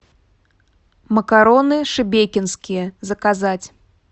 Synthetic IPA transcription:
mɐkaɾɔnɨʂɨbʲekʲinskʲijɐzɐkazat͡sʲ

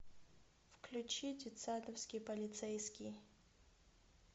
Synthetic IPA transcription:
fklʲut͡ʃʰitʲit̪sad̪ɐfskʲipɐlʲit̪sɛjskʲij

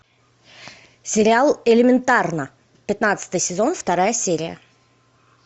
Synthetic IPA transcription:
sʲɪɾʲɪalˠɪlʲɪmʲɪnt̪arnə | pʲɪt̪nat̪sɨ̥t̪ɨjsʲɪzo̞nft̪ɐɾajəsʲeɾʲɪjə̰

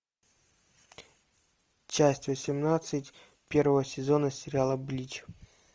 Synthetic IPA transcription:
t͡ɕæsʲtʲvəsʲɪmnat̪sɨtʲ | pʲe̞rvəvəsʲɪzonəsʲɪɾʲɪalˠəblʲit͡ɕ

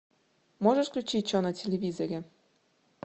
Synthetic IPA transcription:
moʒə̆ʃklʲut͡ɕit͡ɕonɤ̆tʲelʲeβʲizeɾʲĕ

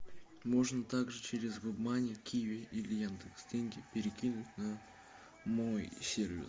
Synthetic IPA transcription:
mo̞ʐnət̪aɡʐɨt͡ʃʰeɾʲɪzɡʊbmanʲɪjəkʲʰijvʲɪʔilʲɪjand̪ɨksdʲeŋʲɡʲɪpʲeɾʲɪkʲinʊtʲna | mo̞jsʲervʲɪ̰s

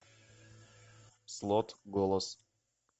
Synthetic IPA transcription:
slˠɔt̪ɡɔlˠɔs

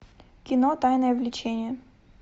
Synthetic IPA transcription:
kʲɪnɔt̪ajnəjəvlʲɪt͡ɕʰenʲɪjə

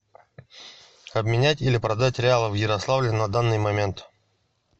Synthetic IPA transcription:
ɐbmʲɪnʲætʲilʲɪpɾɐd̪atʲɾʲɪalˠəvjɪɾɐslˠavlʲɪnɐd̪anːɨjmɐmʲe̞nt̪

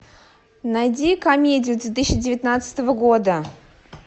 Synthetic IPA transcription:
najdʲikɐmʲedʲɪjʊd̪vʲet̪̬ɨɕːɪdʲɪvʲɪt̪nat̪sɨ̥t̪əvəɡod̪ə

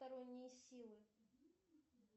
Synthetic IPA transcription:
t̪ɐɾɔnʲːɪjsʲilˠɨ

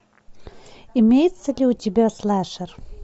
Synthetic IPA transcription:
ɪmʲejɪt̪səlʲiʊtʲɪbʲaslˠaʂər

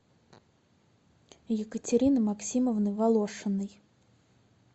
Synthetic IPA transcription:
jɪkət͡sʲɪɾʲinɨmaksʲiməvnɨvalˠoʂɨnːɨj

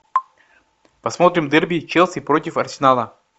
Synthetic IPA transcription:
pɐsmo̞t̪ɾʲɪmd̪ɛrbʲit͡ɕelˠsʲɪpɾotʲɪfɐrsʲɪnalˠə

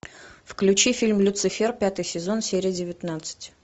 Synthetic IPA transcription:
fklʲʉt͡ɕifʲilʲmlʲʊt̪sɨfʲerpʲat̪ɨjsʲɪzo̞nsʲeɾʲɪjədʲɪvʲɪt̪nat̪sɨ̥tʲ

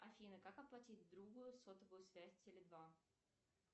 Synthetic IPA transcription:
ɐfʲinəkakɐplˠɐtʲitʲd̪ɾuɡʊjʊsot̪əvʊjʊsvʲæsʲtʲɪlʲɪd̪va

